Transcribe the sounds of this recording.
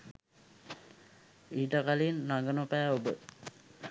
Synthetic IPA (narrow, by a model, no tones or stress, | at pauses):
iːʈəkalinːaŋɡənopæːobə